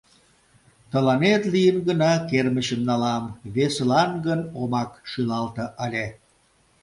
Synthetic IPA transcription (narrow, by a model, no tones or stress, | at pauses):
t̪ə̆lɑnet̪lijənɡənɑkerməɕəmnɑlɑmβeslɑnɡənomɑkʃylɑlt̪ɤʔəlʲe